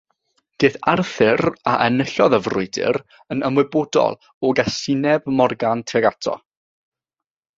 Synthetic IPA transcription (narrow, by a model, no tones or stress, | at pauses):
d̥eːθarθɪɾaʔənəɬɔðəvrʊɨdɪ̰ɾ | ənəmwɪbodɔ̰lˠ | ɔɡasɪɨnɛbmɔrɡantʰɛɡatʰɔ̰